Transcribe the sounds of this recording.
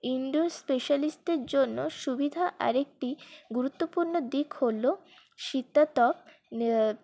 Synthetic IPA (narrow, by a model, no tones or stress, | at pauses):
iɳɖospeʃalisʈeɾd͡ʑonːoʃubid̪ʱaʔa̰ɾek̚ʈiɡuɾut̪ːopuɾnod̪ikholo | ʃit̪ːat̪ɔp̚